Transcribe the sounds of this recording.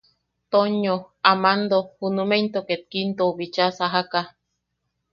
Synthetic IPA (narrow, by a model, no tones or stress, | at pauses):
t̪oɲoamand̪ohunument̪oket̪̚kint̪oβit͡ʃasaɦaka